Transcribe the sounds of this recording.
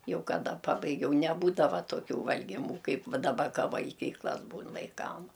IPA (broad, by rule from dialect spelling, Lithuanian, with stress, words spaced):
ˈjɛʊ kɐˈdɐ ˈpɑːbɐɪɡʲɛʊ nʲɛˈbuːdɐʋɐ toːˈkʲuː ʋɐlʲɡʲɪˈmuː ˈkɐɪp ˈʋɐ dɐˈbɐ ˈkɐ ʋɐlʲˈɡʲiːklˠɐs ˈbuːn ʋɐɪˈkɐm